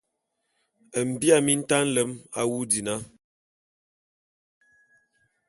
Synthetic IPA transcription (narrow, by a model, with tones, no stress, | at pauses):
ə˨m̩˨bi˦a˦˨mi˦n̩˦ta˦n̩˦lə˦ma˦wu˦di˨na˦